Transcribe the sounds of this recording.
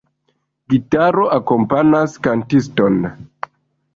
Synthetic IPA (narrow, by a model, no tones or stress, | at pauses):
ɡitaɾo̞ʔako̞mpanaskantiston